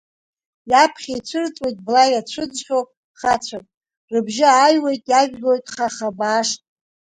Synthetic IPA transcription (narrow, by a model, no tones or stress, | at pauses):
japʰχʲajt͡ɕʷʰɨrt͡sʼwojtʼblajat͡ɕʷʰɨd͡zχʲowpʼ | χat͡ɕʷʰapʼ | rɨbʒɪajwe̞jtʼjaʒᶣɡojtʼχaχabaːʂtʼ